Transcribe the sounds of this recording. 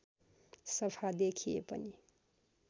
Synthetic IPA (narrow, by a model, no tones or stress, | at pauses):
sʌpʰad̪ekʰijḛpʌ̰ni